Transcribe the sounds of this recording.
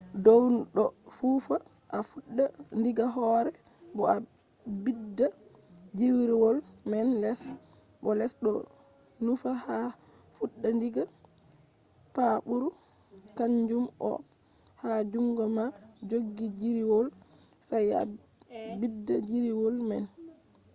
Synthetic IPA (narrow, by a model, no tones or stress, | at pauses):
dɔwɗɔfuːfa | ʔafuɗːandiɡaɦɔɾɛ | bɔa | bidːa | d͡ʒiwɾiwɔl | mɛnlɛs | bɔlɛsɗɔ̰ | nufaha | fuɗːandiɡa | paɓuɾu | kaɲd͡ʒumɔ̰ | had͡ʒuŋɡɔma | d͡ʒoɡːid͡ʒiɾiwɔl | saja̰ | bidːad͡ʒiɾiwɔlmɛn